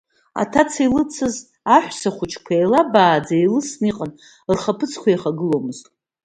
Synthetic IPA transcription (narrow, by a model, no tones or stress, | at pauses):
a̰tʰat͡sʰilɨt͡sʰɨz | aħʷsaχʷʊt͡ʃʰkʷʰaelabaːd͡zailɨsniqʼan | rχapʰɨt͡sʰkʷʰajχaɡɨlo̞mɨztʼ